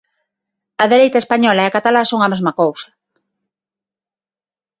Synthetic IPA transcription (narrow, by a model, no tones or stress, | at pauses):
ɐðeɾejt̪aespaɲɔlaeakat̪alasoŋɐmezmɐkowsɐ̥